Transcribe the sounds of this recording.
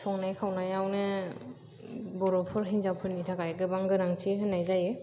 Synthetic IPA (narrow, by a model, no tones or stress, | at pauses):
sʰɔŋnajkʰawnajawnɯ | bɔɾɔpʰɯɾɦinzawpʰɯɾnitʰakajɡɯbaŋɡɯnaŋtʰiɦɯnːajzajɯ